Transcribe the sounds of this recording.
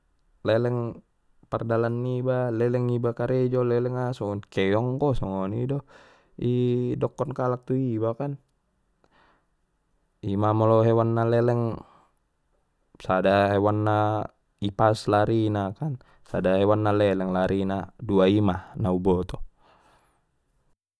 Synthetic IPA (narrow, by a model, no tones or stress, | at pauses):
lɛlɛŋ | pardalanːibalɛlɛŋibakaɾɛd͡ʒɔlɛlɛŋasɔŋɔnkɛjɔŋkɔsɔŋɔnidɔ | idɔkːɔnkalak̚t̪uibakan | imamɔlɔɦɛwanːalɛlɛŋ | sadaɦewanːa | ipaslaɾinakan | sadaɦewanːalɛlɛŋlaɾinaduaimanaubɔt̪ɔ